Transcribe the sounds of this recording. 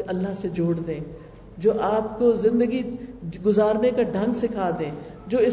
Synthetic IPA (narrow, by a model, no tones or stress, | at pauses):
ɐlːaɦsed͡ʒoːɽd̪ẽː | d͡ʒoːʔaːp̚kozɪ̃nd̪əɡiɡʊzaːɾnekaɖʱɐ̃ŋɡsɪkʰaːd̪ẽː | d͡ʒoːɪ